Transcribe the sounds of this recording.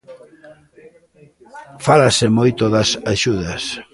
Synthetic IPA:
falasemojt̪oðɐsaʃuðɐs

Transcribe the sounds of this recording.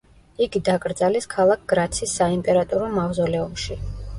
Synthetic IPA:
iɡid̪akʼɾd̪zaliskʰalˠak̚ʰɡ̥ɾat̪sʰisːaimpʼɛɾat̪ʼuɾɔmavzɔlɛɔmʃi

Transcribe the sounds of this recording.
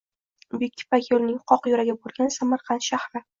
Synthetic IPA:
bek̚ʲʰːɪ̥pakʲjolnɪŋqʰɒqjɒɾaɡʲabolˠɡʲansamaɾqʰɑnt̪ʃahɾɪ

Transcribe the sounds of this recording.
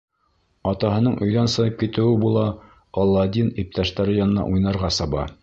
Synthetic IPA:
ɑt̪ɑɦɤ̆nɤɴʔɵ̆jðænsɤ̆nɤp̚kit̪ɘ̆wɘbulˠɑ | ʁɒlˠːɑd̪ʲinip̚t̪æʃt̪æɾɘjɑnɤ̆nɑ̰ʔujnɑɾʁɑsɑβɑ̰

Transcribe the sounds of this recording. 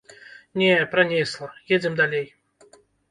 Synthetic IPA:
nʲepɾanʲeslˠəjed͡zʲɪmd̪alʲej

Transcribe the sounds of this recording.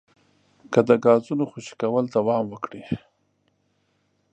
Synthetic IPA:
kəd̪əɡɑzunoxoʃi̥kawəld̪awɑmwəkɽi

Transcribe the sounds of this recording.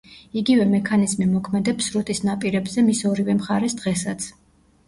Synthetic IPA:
iɡivɛmɛkʰanizmimɔkʰmɛd̪ɛpsɾut̪ʼisnapʼiɾɛbzɛmisɔɾivɛmχaɾɛsd̪ʁɛsat̪sʰ

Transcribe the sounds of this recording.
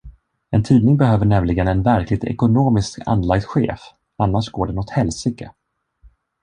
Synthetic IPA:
ɛnt̪ʰiːd̪nɪŋbɛɦøːvəɳɛmlɪɡənɛnvæɾklɪɡ̚t̪ʰɛ̰kʊnoːmɪska̰nːlaɡ̚t̪ɧḛːf | anːaʂɡoːɖɛnɔt̪hɛlsɪɡə̰

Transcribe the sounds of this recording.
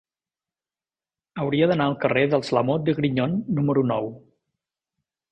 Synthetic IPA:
əwɾiəðənaəlˠkəreðəlˠzləmod̪əɣɾiɲonːuməɾunɔw

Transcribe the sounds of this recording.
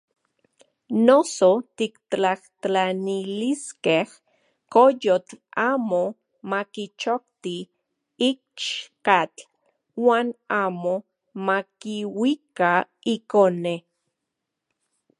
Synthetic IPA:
nosot̪iktaht̪aniliskeh | kojot͡ɬaːmo | makit͡ʃok̚t̪i | ik̚t͡ʃkat͡ɬ | waːnaːmo | makiwika | ikone

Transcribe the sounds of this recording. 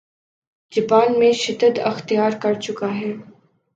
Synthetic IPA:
d͡ʒɐbaːnmẽʃɪd̪əd̪ɐ̰xt̪ijaːɾkɐɾt͡ʃʊkaɦɛː

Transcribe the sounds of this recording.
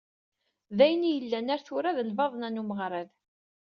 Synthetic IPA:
ðæjənijəlːænæɾθʊɾaðəlvɑðˤnænuməʁɾˤəð

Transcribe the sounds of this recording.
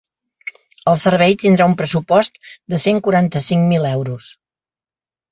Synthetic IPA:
əlˠsərβɛjt̪ind̪ɾaumpɾəsupɔst̪d̪əseŋkuɾant̪əsiŋmilɛwɾus

